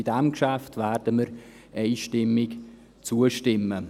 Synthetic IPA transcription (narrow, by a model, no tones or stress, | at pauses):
idæmkʃæftvɛrd̥əməɾ | ʔeɪʃtɪmːɪk | t͡suəʃtɪmə